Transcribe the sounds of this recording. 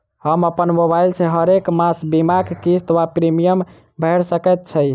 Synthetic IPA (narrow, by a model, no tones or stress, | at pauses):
həməpənmobajlsʰeɦəɾekmasbimaɡkist̪ʋapɾimijəm | bʱɛɾsəkɛt̪̚t͡ʃʰəj